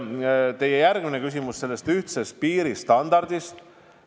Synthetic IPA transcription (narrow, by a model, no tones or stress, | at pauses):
t̪e̞jejærɡminekys̬ʲimusse̞lːest̪yht̪se̞st̪̚piːɾist̪ɑnd̪̥ɑrd̪̥ist̪